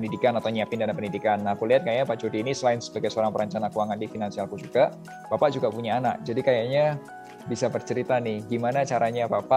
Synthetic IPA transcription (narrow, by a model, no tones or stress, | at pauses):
ndidikanat̪awniapɪndanampəndidikanːahkuliɦat̪̚kajapaʔt͡ʃodiːnisəlaɪnsə̥baɡajsəoɾaŋpəɾəɲt͡ʃanakuaŋandifinansialkud͡ʒuɡa | b̥apaʔd͡ʒuɡapuɲaːnak̚d͡ʒadikajaɲa | bisabərt͡ʃəɾit̪anɪhɡimanat͡ʃaɾaɲabapa